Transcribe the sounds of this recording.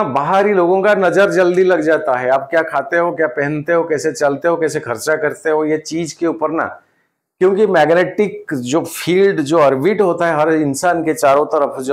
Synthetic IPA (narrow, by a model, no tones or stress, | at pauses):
baɦaɾiloːɡõkanɐzəɾd͡ʒɐld̪ilɐɡd͡ʒaːt̪aɦɛaːp̚kjaːkʰaːt̪eɦokjaːpɛɦɛ̃nt̪eɦõkɛːset͡ʃɐlt̪eɦõkɛːsekʰɐɾt͡ʃakɐɾt̪eɦojet͡ʃiːd͡ʒkeuːpəɾna̰ | kjõːkimɛːɡneːʈɪkd͡ʒoːfʰiːlɖd͡ʒoːɐɾbiʈɦoːt̪aɦɛɦɐɾɪnsaːnket͡ʃaːɾõt̪ɐɾəfd͡ʒo